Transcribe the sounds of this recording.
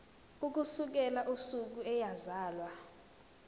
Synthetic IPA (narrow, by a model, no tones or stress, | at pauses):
uk̬usuk̬ɛlaʔusuk̬uɛjazaːlwa